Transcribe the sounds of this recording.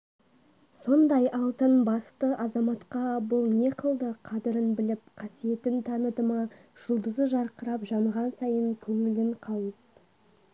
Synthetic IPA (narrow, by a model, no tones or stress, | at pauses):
so̞nd̪ɑjʔɑlˠt̪ənbɑst̪əʔɑzɑmɑt̪qɑbʊlˠneqʰəlˠd̪əqʰɑd̪əɾənbɪlɪp̚qʰɑsije̞t̪ɪnt̪ʰɑnəd̪əmɑʒ̥ʊlˠd̪əzəʒɑɾqəɾɑpʒɑməʁɑnsɑjəŋkʲʰɵŋɪlɪɴqʰɑw̪ˠəp̚